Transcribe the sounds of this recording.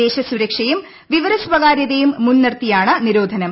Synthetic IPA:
e̞ːɕɐsuɾɐkʂɐjum | ʋiʋɐɾɐsʋɐɣaːɾjɐðɐjumːunːɐrt̪ijaːɳɐniɾo̞ːd̪ʱɐnɐm

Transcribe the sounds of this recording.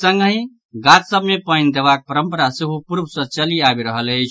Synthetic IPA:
sə̃ŋɡɦĩ | ɡatsəbmepəjnd̪ebak̚pəɾəmpəɾasiɦupuɾbʱsə̃t͡ʃəliabiɾəɦələt͡ʃʰ

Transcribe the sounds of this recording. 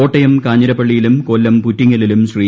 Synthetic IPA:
oːʈːɐjɐmkaːɲːɐɾɐpːɐɭːijilumkolːɐmputːiŋːɐlilumɕriː

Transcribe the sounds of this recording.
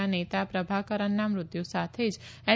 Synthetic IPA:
anet̪apɾəbʱakəɾənːamɾʊd̪jusat̪ʰed͡ʒɛ

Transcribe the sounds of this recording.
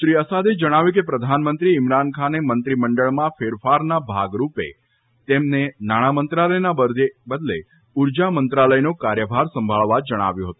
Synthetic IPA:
ʃɾiəsad̪ed͡ʒəɽ̃aʋjukepɾəd̪ʱanmənt̪ɾiɪmɾankʰanemənt̪ɾiməɳɖəɭmãfeɾfaɾnabʱa̰ɡɾupḛ | t̪emnenaɽ̃amənt̪ɾaləjnabəebəd̪le | uɾd͡ʒamənt̪ɾaləjnokaɾjəbʱaɾsəmbʱaɭʋad͡ʒəɽ̃a̰ʋjũɦət̪ũ

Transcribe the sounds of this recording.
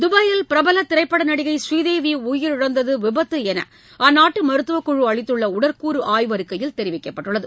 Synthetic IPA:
d̪ʊbɐjɪlpɪɾɐbɐlɐt̪ːɪɾɐɪpːɐɽɐnɐɽɪɣɐɪsʋiːðeːʋiʊjɪɾɪɻɐnd̪ɐðɯʋɪbɐt̪ːɯɛnɐ̰ | ʔaːnːaːʈːɯmɐɾɯt̪ːɯʋɐkːʊɻɯɐɭɪt̪ːɯɭːɐʊɽɐɾkuːɾɯʔaːjʋɐɾɯkːɐjɪlt̪ɛɾɪʋɪkːɐpːɐʈːɯɭːɐðɯ

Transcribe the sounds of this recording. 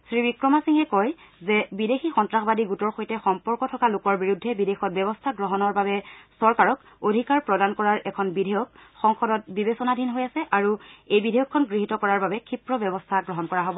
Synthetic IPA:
sɹibikɹɔmasiŋɦɛkɔjzɛbidexʰixɔntɹaxbadiɡutɔɹxojtɛxɔmpɔɹkɔtʰɔkalokɔɹbiɹudʱːɛbidexɔt̚bɛbɔstʰaɡɹɔɦɔnɔɹbabɛsɔɹkaɹɔk | odʱikaɹpɹɔdankɔɹaɹʔɛkʰɔnbidʱɛjɔkxɔŋxɔdɔt̚bibesɔnadʱinɦojasɛʔaɹuejbidʱɛjɔkʰːɔnɡɹiɦitɔkɔɹaɹbabɛkʰipɹɔbɛbɔstʰaɡɹɔɦɔnkɔɹaɦobɔ

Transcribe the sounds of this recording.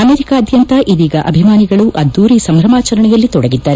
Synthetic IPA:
ɐmeːɾikaːɐd̪ʱjɐnt̪ɐʔidiːɡɐʔɐbʱimaːniɡɐɭuʔɐd̪ːuːɾisɐmɾɐmaːt͡ʃɐɾɐɳɛjɐlːit̪ɔɽɐɡid̪ːaːɾe

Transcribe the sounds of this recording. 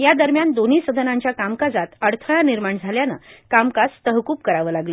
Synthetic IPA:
jad̪əɾmjand̪on̤isəd̪ʱənãɲt͡ɕjakamkad͡zat̪əɽt̪ʰəɭaniɾmaɳd͡zʱaljanə̰kamkast̪əɦkuːp̚kəɾaʋəːlaɡlə

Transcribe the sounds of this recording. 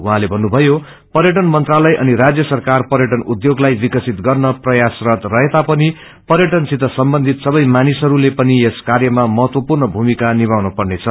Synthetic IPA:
uɦãlebʱʌnːubʱʌjo | pʌɾjʌʈ̬ʌnmʌnt̪ralʌjʔʌ̰niɾad͡zjʌsʌrkarpʌɾjʌʈʌnud̪joɡlajbikʌsit̪ɡʌrnʌprʌjasrʌt̪rʌɦet̪apʌni | pʌɾjʌʈʌnsit̪ʌsʌmbʌnd̪ʱit̪sʌbʌjmanisʌɾulepʌnieskarjʌmamʌɦʌt̪wʌpurnʌbʱumikanibawnʌpʌrnet͡sʰʌ

